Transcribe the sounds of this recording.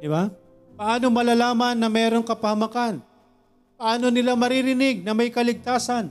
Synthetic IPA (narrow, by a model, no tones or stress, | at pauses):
d̪ɪba | pɐʔaːno̞mɐlalaːmɐnːɐmɛːɾo̞ŋkɐpɐhɐmɐkan | pɐʔaːno̞nɪlamɐɾɪɾɪnɪɡ̚nɐmɐjkɐlɪɡ̚t̪aːsan